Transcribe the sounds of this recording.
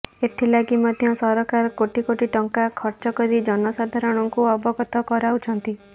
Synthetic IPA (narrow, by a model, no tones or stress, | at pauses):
et̪ʰilaɡimɔd̪ʱjɔsɔɾɔkaɾɔkoʈikoʈiʈɔŋkakʰɔɾt͡ʃɔkɔɾid͡ʒɔnɔsad̪ʱaɾɔɽ̃ɔŋkuɔbɔɡɔt̪ɔkɔɾaut͡ʃʰɔnt̪i